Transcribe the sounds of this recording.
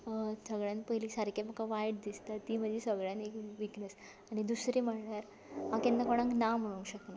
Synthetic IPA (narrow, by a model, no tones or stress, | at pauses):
səɡɭjãnpəjliːsəɾkamakaʋajɽd̪ist̪at̪ːiːm̤əd̪ʱjesəɡɭjãnekʋiknəs | aɽ̃id̪usɾiməɽɳaɾ | ɦãkɛnd̪akoɽ̃ãŋknam̤əɽuŋɕəkna